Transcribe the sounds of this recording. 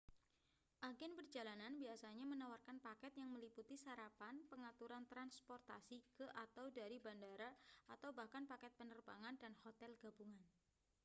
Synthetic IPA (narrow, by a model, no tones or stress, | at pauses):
ʔaɡɪnpərd͡ʒalananbiasaɲamənawarkanpakɛt̪jaŋməliput̪isaɾapanpəŋat̪uɾant̪ɾanspɔrt̪a̰sikəʔat̪awdaɾibandaɾaat̪awbahkanpakɛt̪̚pənərbaŋandanhot̪ɛlɡ̥abuŋan